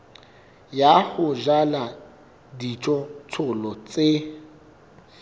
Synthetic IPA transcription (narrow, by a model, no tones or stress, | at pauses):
jahʊʒala | dit͡ʃʼɔt͡sʰʊlɔt͡sʼe